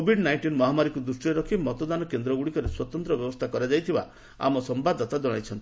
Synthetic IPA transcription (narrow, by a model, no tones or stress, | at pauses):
obʱiɖnajɳʈinmɔɦamaɾikud̪ɾusʈiɔɾɔkʰimɔt̪ɔd̪anɔkend̪ɾɔɡuɽikɔɾeswɔt̪ɔnt̪ɾɔbjɔbɔst̪ʰakɔɾad͡ʒajt̪ʰiba̰ | a̰mɔsɔmbad̪ʱɔt̪ad͡ʒɔɽ̃ajt͡ʃʰɔnt̪i